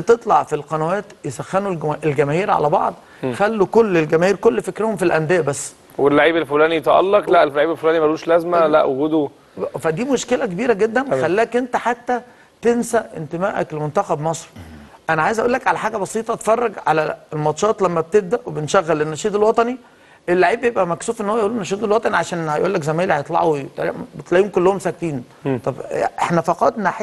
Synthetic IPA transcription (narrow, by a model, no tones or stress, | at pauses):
t̪et̪ˤlɑʕfilqɑnæwæːt̪jesæxːænulʔelɡæmæːhiːɾʕa̰læbɑ̰ʕd̪ˤ | xælːukolːelɡæmæːhiːɾkolːfekɾehomfilʔænd̪ejæbæsː | welːaʕiːbelfulæːniet̪æʔɑ̰lːɑqlæʔellaʕiːbelfolæːnimæɾˤuːʃlæzmælæʔwoɡuːd̪o | fæd̪iːmoʃkelækebiːɾæɡed̪ːænxælːæːkʔent̪æħat̪ːæ | t̪ensæʔent̪emæːʔæ̰klmont̪æxæbmɑsˤɾiʔænæʕaːjezʔæʔuːlːækʕalæħaːɡæbɑsˤiːt̪ˤɑt̪e̥fɑrˤːɑɡʕa̰læelmɑt̪ʃɑːt̪ˤlæmːæb̚t̪eb̚d̪æʔwebenʃæɣːælenːæʃiːd̪elwɑt̪ˤɑni | elːaʕiːbjebʔæmæksuːfʔenːowːæjʔuːlːonːæʃiːd̪elwɑt̪ˤɑniʕaʃæːnhæjʔuːlːækzæmæːlhjet̪ˤlɑ̰ʕowt̪bet̪læʔiːumkolːohomsæk̚t̪iːn | t̪ˤɑbʔḛħnæfɑqɑt̪ˤnæħe